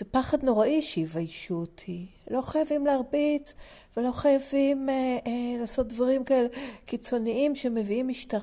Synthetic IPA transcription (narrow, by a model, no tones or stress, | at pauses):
zepaχadno̞ʁaʔiʃivajʃutʰilo̞χajavimleaʁbit͡svelo̞χajavim | laːso̞t̚dvaʁimkaelekit͡so̞niimʃe̞me̞viimiʃtaʁ